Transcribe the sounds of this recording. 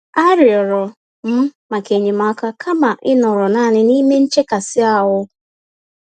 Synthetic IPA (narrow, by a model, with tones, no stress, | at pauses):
a˦ɾɪ˨ɔ˨ɾɔ˨ | m̩˦ma˨ke˨ɲe˨ma˨˦ka˦kʰa˦ma˨ʔɪ˦nɔ˨ɾɔ˨na˦˨nɪ˦ni˦me˦n̩˦t͡ʃe˦ka˨sɪ˦a˦ɦʊ˦